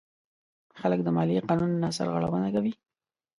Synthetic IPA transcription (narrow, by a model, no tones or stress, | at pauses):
xalək̚d̪əmɑliqɑnunːasa̰ɾɣa̰ɽa̰wənakawi